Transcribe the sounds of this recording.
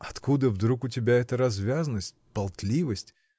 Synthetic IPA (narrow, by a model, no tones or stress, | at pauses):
ɐt̪kud̪əvd̪ɾukʊtʲɪbʲaɛt̪əɾɐzvʲazənəsʲt̚ʲpɐlˠt̪lʲivəsʲtʲ